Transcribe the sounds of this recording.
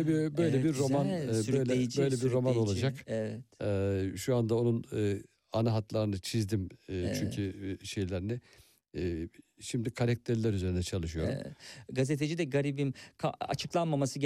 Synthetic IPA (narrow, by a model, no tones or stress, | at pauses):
bibø̞jlʲɛbiɾːo̞manøjlʲɛbø̞jlʲɛbiɾːo̞mano̞lˠad͡ʒakvɛʃuand̪ao̞nunɯ | anaɦat̪lˠaɾɯnɯt͡ʃʰizd̪imt͡ʃʰyɲcʰyʃe̞jlʲæɾnɛ | ʃimd̪ikʰaɾɛk̚t̪ʰeɾlʲæɾyze̞ɾind̪ɛt͡ʃʰalˠɯʃɯjo̞ɾṵm̰ɡazet̪ʰed͡ʒid̪ɛɡaɾibimkʰaa̰t͡ʃʰɯklˠanmamasɯɟ